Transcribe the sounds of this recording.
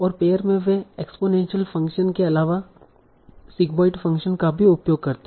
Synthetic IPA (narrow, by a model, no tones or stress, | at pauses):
ɔːɾpeːjəɾmẽʋeekspoːnẽːnʃəlfɐ̃ŋkʃənkeɐlaːʋa | sɪkbɔːɪʈfɐ̃ŋkʃənkabʱiʊpjoːɡ̚kɐɾt̪e